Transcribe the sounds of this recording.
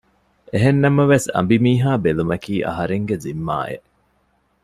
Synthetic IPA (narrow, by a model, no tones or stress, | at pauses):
eɦenːɐmɐʋesɐ̰mbimiːɦaːbelumɐkiːʔɐ̰ɦɐɾeŋɡezimːa̰ːʔḛʔ